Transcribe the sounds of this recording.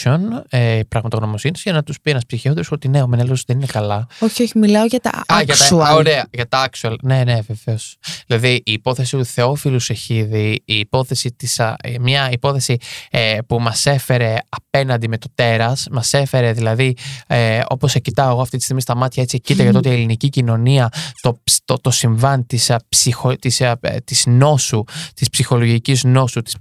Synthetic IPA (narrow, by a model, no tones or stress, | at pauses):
onepɾɐɣmɐt̪ɐɣno̞mo̞sinit̪zʝɐnɐt̪uspienɐspsiçeond̪ɾsot̪ineo̞meneloosðe̞ninekɐlɐoçioçimilɐoʝɐt̪ɐ̰ɐʝɐtsɐuɐoɾeɐʝɐt̪ɐɐksuɐlne̞ne̞veveosðilɐðiiːpo̞θe̞sit̪uθe̞o̞filuse̞çiðiiːpo̞θe̞sit̪isɐmɲɐipo̞θe̞sipumɐse̞fe̞ɾe̞ɐpe̞nɐnd̪ime̞t̪o̞t̪e̞ɾɐsmɐse̞fe̞ɾe̞ðilɐði | o̞̰po̞secit̪ɐoɣo̞ɐft̪it̪ist̪iɣmist̪ɐmɐt̪çɐe̞t͡sicit̪ɐʝɐt̪oo̞t̪ielinicicino̞niɐt̪o̞t̪ot̪o̞siɱvɐnt̪ispsixot̪ist̪izno̞sut̪ispsixo̞lo̞ʝicizno̞sut̪i̥s